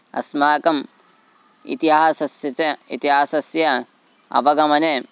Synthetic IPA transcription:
ɐ̰smaːkɐm | ḭt̪iɦaːsɐsjɐt͡seit̪iɦaːsɐsjɐ | ɐ̰ʋɐɡɐmɐne

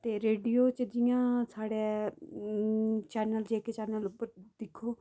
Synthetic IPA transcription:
t̪eːɾeːɖijoːt͡ʃəd͡ʒɪjãːsaːɽeː | t͡ʃɛːnəld͡ʒeːket͡ʃɛːnəlʊpːəɾd̪̥ɪkʰːoː

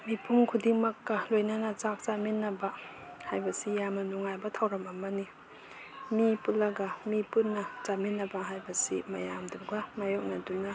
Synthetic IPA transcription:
mipʰuŋkʰudiŋmɐkːɐlojnanɐzak̚zaminːɐbɐ | hajbɐsijamɐnuŋajbɐtʰawɾɐmɐmɐni | mipulːɐɡɐmipunːɐzaminːɐbɐɦajbɐsḭmɐjamduɡɐmajok̚nɐdunɐ

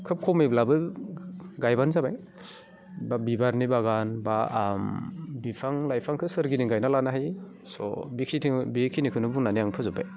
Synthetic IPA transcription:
kʰɯp̚kʰɔmiblabɯ | ɡajbanzabaj | babibaɾnibaɡanbambipʰaŋlajpʰaŋkʰɯsɯɾɡiniŋɡajnalanaɦaj | sɔ̰bikʰitʰiŋbikʰinikʰɯnɯbuŋnanijaŋpʰɯzɯba̰j

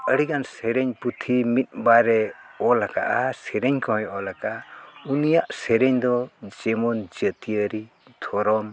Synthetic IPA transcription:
əɽikansɛɾɛɲput̪ʰimit̪̚ˀbaɾɛ | ɔlakaʔasɛɾɛɲkɔɔjɔlakaunijaʔsɛɾɛɲd̪ɔd͡ʒɛmɔnd͡ʒət̪iəɾi | t̪ʰɔɾɔm

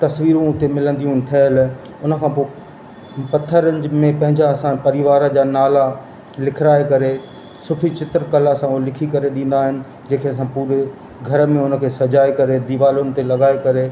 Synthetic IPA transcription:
t̪ɐsʋiːɾõʊt̪emɪlə̃nd̪ijũt̪ʰɐɦəl | ʊnə̆kʰãːpoː | pɐt̪ʰːəɾəɲd͡ʑmẽpɐ̃ɦɪ̃ɲd͡ʑaɐsãpɐɾiʋaːɾəd͡ʑanaːla | lɪkʰɪɾaːekɐɾe | sʊʈʰit͡ɕɪt̪ɾkɐlasãulɪkʰikɐɾeɗĩːn̆d̪aːɦɪnɪ̆ | d͡ʑeːkʰeɐsãpuːɾe | ɡʱɐɾəmẽʊnə̆kʰeːsɐd͡ʑaːekɐɾed̪iʋaːlʊnɪ̆t̪elɐɠaːekɐɾe

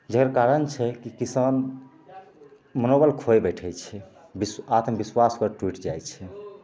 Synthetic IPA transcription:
d͡ʒəkɾakaɾənt͡ʃʰɛkikisən | mənobəlkʰojbɛʈʰɛjt͡ʃʰɛ | bisat̪mbiswaskəɾʈwiʈd͡ʒajt͡ʃʰɛ

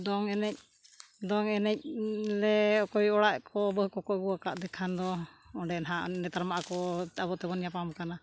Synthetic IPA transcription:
d̪ɔŋɛnɛc̚ | d̪ɔŋɛnɛc̚lɛɔkɔjɔɽaʔkʰɔbəɦkɔkɔbuakaʔd̪ɛkʰand̪ɔ | ɔɖɛnɦaʔnɛt̪aɾmaʔakɔabɔʔt̪ɛbɔnjapamkana

